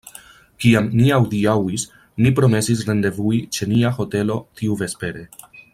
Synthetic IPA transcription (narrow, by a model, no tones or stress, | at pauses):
kiamniawdiawis | nipɾo̞me̞sis̬ɾe̞nde̞vuit͡ʃe̞niaho̞te̞lo̞tʰiuve̞spe̞ɾe̞